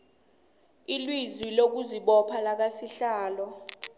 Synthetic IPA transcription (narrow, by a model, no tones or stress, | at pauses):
ilwizilok̬uziɓɔpʰalak̬asiɬaːlɔ